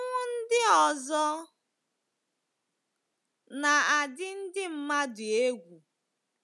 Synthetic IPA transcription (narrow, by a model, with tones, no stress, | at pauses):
ŋʷʊ˦n̩˦dɪ˦ɔ˨zɔ˦ | na˨a˨dɪ˦n̩˦dɪ˦m̩˦ma˦dʊ˨e˦ɡʷu˨